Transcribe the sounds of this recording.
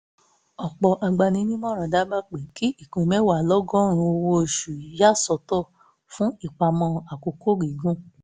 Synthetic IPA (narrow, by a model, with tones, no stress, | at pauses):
ɔ˨k͡pɔ˧ʔa˧ɡ͡ba˧nĩ˧˦nĩ˦mɔ̃˦˨ɾ̃ã˨da˨˦ba˦k͡pe˨ki˦ʔi˦˨kõ˧mɛ˦wa˨lɔ˦ɡɔ̃˦ɾ̃ũ˧o˧wo˧˨ʃu˨˦ja˦˨sɔ˧tɔ˦˨ | fũ˦i˦˨k͡pa˧mɔ̃˧a˨ko˨ko˦ɡi˨ɡũ˦